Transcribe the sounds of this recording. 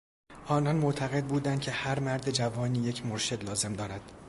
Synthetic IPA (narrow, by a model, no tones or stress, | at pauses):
ʔɒːnɒnmoʔt̪ʰæɣe̞d̪̚buːd̪ænd̪̥̚cʰe̞hæɾmæɾd̪e̞d͡ʒævɒːniːje̞cʰmoɾʃe̞d̪lɒːze̞md̪ɒːɾæd̪̥